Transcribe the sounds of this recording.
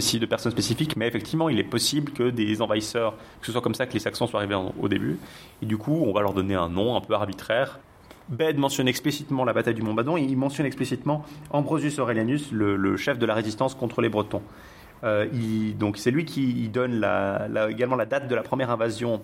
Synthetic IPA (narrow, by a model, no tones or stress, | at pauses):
sid̪əpɛʁsɔnspesifikmɛefɛk̚t̪ʰivmɑ̃ilɛpɔsiblkəd̪ezɑ̃vaisœʁkə̥səswakɔmsakəlesaksɑ̃swaʁiveɑ̰̃o̰d̪eby | ed̪ykʰuɔ̃valœʁd̪ɔneɛ̃nɔ̃ɛ̃pøaʁbit̪χɛʁ | bɛd̪mɑ̃sjɔnɛksplisit̪mɑ̃labat̪ajd̪ymɔ̃bad̪ɔ̃eilmɑ̃sjɔnɛksplisit̪mɑ̃ɑ̃bʁɔzysɔʁeljanyslələ̰ʃɛfd̪əlaʁezist̪ɑ̃skɔ̃t̪χəlebʁət̪ɔ̃ | øild̪ɔ̃ksɛlɥikʲʰiːd̪ɔnla̰laeɡalmɑ̃lad̪at̪̚d̪əlapχəmjɛʁɛ̃vazjɔ̃